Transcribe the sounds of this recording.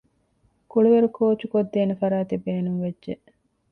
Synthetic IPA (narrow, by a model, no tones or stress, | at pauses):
kuɭuʋeɾukʰoːt͡ʃukod̪ːeːnefɐɾaːt̪ibeːnuŋʋedʒe